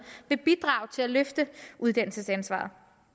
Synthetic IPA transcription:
ʋe̝b̥id̥ʁɑ̈ːʊt͡sʰe̝læløfd̥əʔuð̞ˠd̥æn̰l̩səsænsʋɑ̰̈ːð̩ˠ

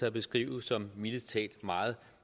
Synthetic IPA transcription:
æɐb̥e̝sɡ̥ʁḭːʊ̰ð̩ˠsɒ̽mmiləst͡sʰɛ̰ːd̥mɑ̈ːð̞̩ˠ

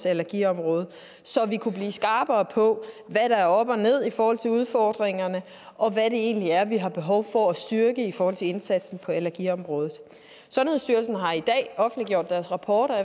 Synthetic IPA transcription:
sælæɐɡ̥ḭɒ̽mʁɔːð̞̩ˠ | sɒ̽ʋikʰub̥lḭːsɡ̥ɑ̈ːb̥ɐːpʰɒ̽ʋæɾ̥ɑ̈æɐɒ̽b̥ɒne̝ð̞̰ˠifɒːhɒ̽l̰t͡sʰe̝uð̞ˠfɒːd̥ʁeŋɐnə | ʔɒ̽ʋæɾe̝e̝̰ːnliæɐʋiɦɑ̈b̥e̝ɦɒ̽ʊfɒ̽æsd̥yɐɡ̥əifɒɔːhɒ̽l̰t͡sʰe̝lensæd̥sn̩pʰɒ̽ælæɐɡ̥iːɒ̽mʁɔ̽ːð̞ˠð̩ˠ | sɒ̽nhe̝ð̰ˠsd̥yɐlsn̩ɦɑ̈id̥ɛ̰ːɒ̽fn̩dliɡ̥jo̝ɐ̰d̥ːæɐsʁɑ̈pʰɒːɾ̥ɐ

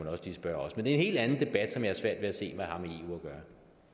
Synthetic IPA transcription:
enɒ̽sd̥isb̥ɶɐ̰ɒ̽smend̥e̝e̝nhe̝̰ːld̥ænn̩d̥e̝b̥æd̥sɒ̽mjɑ̈hɑ̈sʋæɐ̰d̥ʋe̝æse̝̰ːmæhɑ̈mee̝ːṵːɐɡ̥ɶːɐ

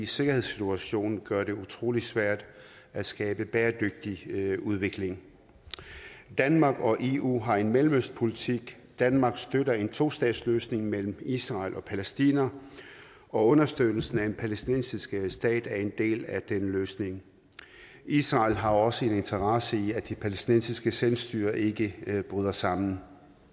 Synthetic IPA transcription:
se̝ɡ̥ɐhe̝ð̞̰ˠsit͡sʰuæɕo̝̰ːnɡ̥ɶɐɾe̝ut͡sʰʁo̝̰ːli̥sʋæɐ̰d̥ | æsɡ̥ɛːb̥əb̥eːɐd̥øɡ̥̚d̥iuð̞ˠʋe̝ɡ̥le̝ŋ | d̥ænmɑ̈ːɡ̥ɒ̽ʔe̝ṵːɦɑ̈e̝nmelm̩øsd̥̚pʰo̝lit͡sʰiɡ̥ | d̥ænmɑ̈ːɡ̥sd̥øɾɐe̝nt͡sʰo̝̰ːsd̥ɛ̰ːd̥sløːsne̝ŋmel̰m̩isʁɑ̈lʔɒ̽pʰælesd̥ḭːnɐ | ɒ̽ɔ̽nɐsd̥øðl̩sn̩æ̥e̝npʰælesd̥inensisɡ̥sd̥ɛ̰ːd̥æɐe̝nd̥e̝̰ːlæd̥enəløːsne̝ŋ | isʁɑ̈ːlɦɑ̈ɒ̽səe̝ne̝nt͡sʰɐʁɑ̈səiæd̥ipʰælesd̥inensisɡ̥əselsd̥y̰ːɐʔe̝ɡ̥əb̥ʁyð̞ˠɐsɑ̈m̰n̩

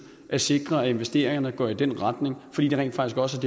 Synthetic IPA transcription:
ʔæse̝ɡ̥ʁɐæe̝nʋesd̥e̝̰ːɐ̰eŋɐnəɡ̥ɒɐid̥en̰ʁɑ̈d̥ne̝ŋfɒ̽d̥ḭːd̥eʁɛ̰n̥fɑ̈ɡ̥isɡ̥ɒ̽səæd̥e

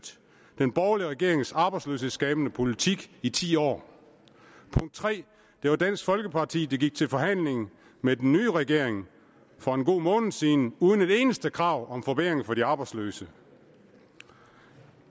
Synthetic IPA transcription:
d̥ | d̥enb̥ɒːliəʁɛɡ̥e̝̰ɐ̰e̝ŋsɑ̈ːb̥ɑ̈ɪdslø̰ːshe̝sɡ̥ɛːb̥ənəpʰo̝lit͡sʰiɡ̥it͡sʰḭːɒ̰ː | pʰɔ̽ŋd̥̚t͡sʰʁɛ̰ː | d̥e̝ʋɑ̈d̥æn̰sɡ̥fɒ̽lɡ̥əpʰɑ̈t͡sʰḭːd̥eɡiɡ̥̚t͡sʰe̝lfɒ̽hæn̰le̝ŋ̩ | med̥enːyːʁɛɡ̥e̝ɐ̰e̝ŋ | fɒe̝nɡ̥o̝̰ːmɔ̽ːnð̩ˠsiːnəuːðˠəne̝de̝ːnəsd̥əkʰʁɑ̈ːʊ̰ɒ̽mfɒ̽b̥eeŋfɒ̽diɑ̈b̥ɑɪdsløːsə

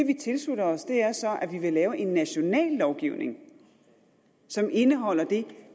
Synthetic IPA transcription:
e̝ʋit͡sʰe̝lslud̥ɐɒ̽sd̥e̝æɐsɒ̽ʔæʋiʋe̝lɛːʊəʔe̝nːæɕo̝nɛ̰ːlːɒʊɡ̥iʊne̝ŋ | sɒ̽mʔe̝nəɦɒ̽l̰ɐd̥e̝

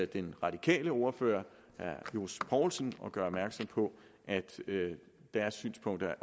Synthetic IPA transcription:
d̥enʁɑ̈d̥ikʰɛ̰ːləo̝ɐfø̰ːɐ | æɐjospʰɒʊlsənɒ̽ɡ̥ɶɐɒb̥mæɐɡ̥sɒ̽m̰pʰɒ̽ | ʔæd̥ | d̥æɐsːy̰ːnspʰɔ̽ŋ̰d̥ɐæ

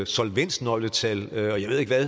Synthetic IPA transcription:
sɒlʋen̰snɒ̽ɪlət͡sʰɛlɒjäɪe̝ð̞̰ˠeɡ̥ʋæ

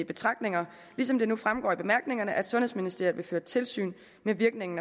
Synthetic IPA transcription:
b̥e̝t͡sʰʁɑ̈ɡ̥̚d̥ne̝ŋɐ | lisɒ̽md̥e̝nufʁamɡ̥ɒ̰ːib̥e̝mæɐɡ̥ne̝ŋɐnəʔæd̥sɔ̽nhesminisd̥ḛɐʋe̝føːɐt͡sʰe̝lsy̰ːn | meʋiɐɡ̥ne̝ŋn̩

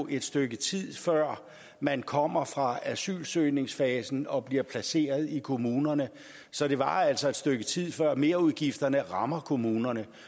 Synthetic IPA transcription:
ʔe̝d̥sd̥øɡ̥ət͡sʰið̰ˠfɶɐ̰ | mænkʰɒ̽m̰ɐfʁɑ̈æsy̰ːlsøɪne̝ŋsfɛːsn̩ɒ̽b̥liɐpʰlæse̝̰ːɐð̞ˠikʰo̝muːnɐnə | sɒ̽ɾ̥e̝ʋɑ̈æl̰sɒ̽e̝d̥sd̥øɡ̥ət͡sʰið̰ˠfɶɐ̰me̝ːɐuð̞ˠɡ̥ifd̥ɐnəʁɑ̈mɐkʰo̝muːnɐnə

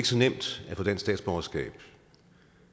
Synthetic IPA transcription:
ɡ̥əsɒ̽nem̰d̥æfɔ̽d̥ænsd̥ɛ̰ːd̥sb̥ɒɐsɡ̥ɛ̰ːb̥

